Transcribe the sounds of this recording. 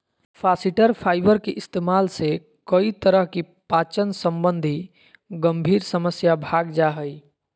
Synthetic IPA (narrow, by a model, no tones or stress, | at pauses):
pʰasiʈəɾpʰaɪbəɾkeʔist̪emalse | kəit̪əɾəɦki | pat͡ʃənsəmbənd̪ʱi | ɡəmbʱiːɾsəməsjabʱaɡd͡ʒaɦəj